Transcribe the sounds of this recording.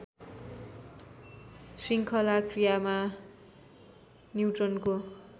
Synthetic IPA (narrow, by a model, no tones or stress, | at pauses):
siŋkʰʌlakrijama | njiʈrʌnko